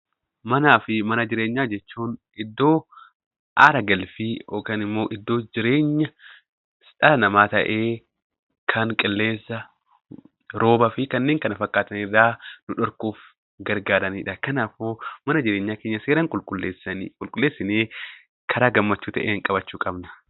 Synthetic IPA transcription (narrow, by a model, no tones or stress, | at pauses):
mɐnaːfɪmɐnɐd͡ʒɪɾeːɲːaːd͡ʒɛt͡ʃːuːn | ɪd̪ːo̞ː | ʔaːɾɐɡɐlfioːkɐnɪmːo̞ːʔɪd̪ːo̞ːd͡ʒɪɾe̞ːɲːɐ | sᶑɐlɐnɐmaːt̪ɐ̰ʔeː | kʰɐŋkʼɪlːe̞ːsːɐ | ɾo̞ːbɐfɪkɐnːeːŋkɐnɐfɐkʼːaːt̪ɐnɪrːaːnʊᶑɔɾkuːf | ɡɐɾɡaːɾɐniːᶑɐkɐnaːfoːmɐnɐd͡ʒɪɾeːɲːaːke̞ːɲːɐseːɾɐŋkʼʊlkʼʊlːeːsɐnikʼʊlkʼʊlːeːsːɪneː | kʰɐɾaːɡɐmːɐt͡ʃːuːt̪ɐʔḛːɪŋkʼɐbɐt͡ʃːuːkʼɐbnɐ̥